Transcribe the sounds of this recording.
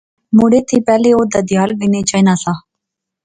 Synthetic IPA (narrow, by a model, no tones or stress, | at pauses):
muːɽeːt̪ʰiːpɛːleoːd̪aːd̪ɪjaːlbɪneːt͡ʃainaːsaː